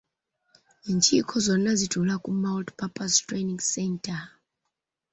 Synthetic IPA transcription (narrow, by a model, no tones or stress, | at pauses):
nt͡ʃʰikʰɔzɔnazitʰulakumawltpʰapʼastreniŋsɛntʰa